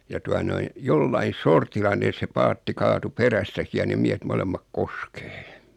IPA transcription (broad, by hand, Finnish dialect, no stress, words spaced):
jɑ tuɑ noin̞ jolːɑin̞ sortilːɑ ne se pɑːtːi kɑːtu peræstæki jɑ nem miæhet molemːɑk koske̥ː